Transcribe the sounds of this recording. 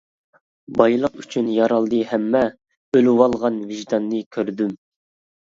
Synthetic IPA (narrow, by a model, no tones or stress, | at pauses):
bɑjlˠəqyt͡ʃʰynjɑɾɑlˠd̪ɨhɛmːɛ | øluwɑlˠʁɑnviʒd̪ɑnːɨkʲʰøɾd̪ym